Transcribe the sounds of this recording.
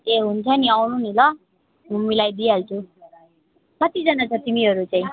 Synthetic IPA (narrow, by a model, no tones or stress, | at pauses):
eɦunt͡sʰʌniawnunilʌ | mʱumːilajd̪ialt͡sʰu | kʌt̪id͡zʌnat͡sʰʌt̪imiɦʌɾut͡saĩ